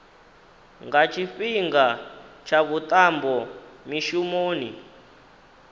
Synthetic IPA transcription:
ŋɡat͡ʃʰiɸiŋɡat͡ʃʰaβut̪ʼambɔmiʃumoːnḭ

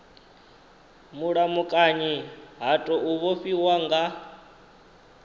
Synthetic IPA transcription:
muɺamukʼaɲiɦatʼɔʔuβɔɸiwaŋɡa

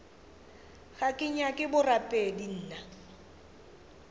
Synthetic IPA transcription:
ɣakʼɪɲakʼɪbʊrapʼedin̩ːna

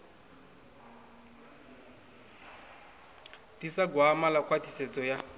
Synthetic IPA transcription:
tisaɡwamalakwatiset͡sɔja

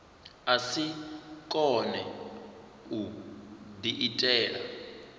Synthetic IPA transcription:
asikʼɔnɛ | udiʔitʼɛːla̰

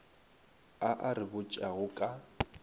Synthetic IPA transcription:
aʔarɪbʊt͡ʃʼaɣʊkʼa

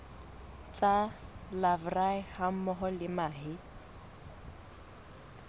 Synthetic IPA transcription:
t͡sʼalavraɪham̩mɔɦɔlɪmaːɦɪ

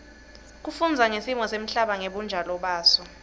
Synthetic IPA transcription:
k̬ufund͡zʱaŋesimɔsem̩ɬaɓaŋeɓund͡ʒʱalɔɓaːsɔ

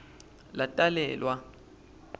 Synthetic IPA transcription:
latʼalɛ̰ːlwa

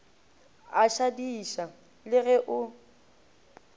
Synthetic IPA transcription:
aʃadiʃa | lɪɣɛʔʊ

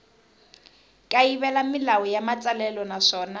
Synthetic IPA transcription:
kʼaiβɛlamɪlawɔjamat͡sʼalɛlɔnaʂɔːna

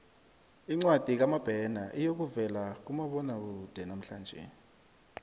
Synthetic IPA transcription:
iŋ͡ǀwad̥ʱik̬amab̥ʱɛnaʔijok̬uvɛlak̬umaɓɔnak̬uud̥ʱɛnam̩ɬaːnd͡ʒʱɛ̰

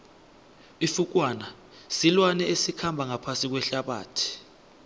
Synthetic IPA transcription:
ifuk̬waːna | silwanɛesikʰambʱaŋapʰasik̬wɛɬaɓa̰ːtʰi̥

